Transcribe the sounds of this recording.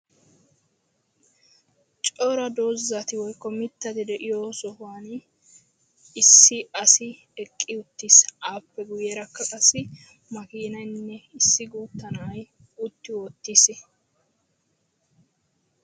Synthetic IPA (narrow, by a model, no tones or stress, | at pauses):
t͡ʃʼoːɾɐd̪oːzːɐt̪ɪwɔjkːɔmɪt̪ːɐt̪ɪd̪ɛʔɪjoːsɔhʊaːn | ɪsːɪɐsɪ | ɛkʼːɪʊt̪ːiːsʔaːpːɛɡʊjeːɾɐkːɐkʼɐsːɪ | mɐkiːnɐjnːɛɪsːɪɡuːt̪ːɐnɐɐj | ʊt̪ːɪwoːt̪ːiːs